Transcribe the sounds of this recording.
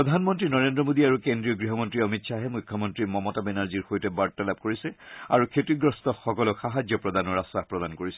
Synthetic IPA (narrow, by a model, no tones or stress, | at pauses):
ɹɔd̪ʱanmɔntɹinɔɹendɹɔmodiaɹukendɹijɔɡɹiɦɔmɔntɹiɔmitsʰaɦɛmujkʰjɔmɔntɹimɔmɔtabɛnaɹziɹxojtɛbaɹtalap̚koɹisɛa̰ɹukʰetiɡɹɔstɔxɔkɔlɔxaɦazjɔpɹɔd̪anɔɹasahpɹɔd̪ankoɹisɛ